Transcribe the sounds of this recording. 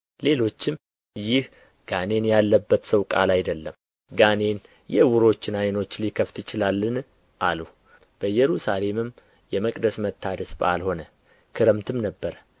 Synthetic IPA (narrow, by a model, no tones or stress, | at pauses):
le̞lo̞t͡ʃːɪm | jɪh | ɡ̥ane̞njalːəbːət̪səwkʼa̰lajd̪əlːəm | ɡane̞n | jɛɨwuɾo̞t͡ʃːɪnajno̞t͡ʃːlikʰəft̪jɪt͡ʃɪlalːɨn | ʔalu | b̥əjɛɾusale̞mɨm | jɛməkʼd̪əsmət̪ʰːad̪əsba̰lho̞nə | kʰɨɾəmt̪ʰɨmnəbːəɾə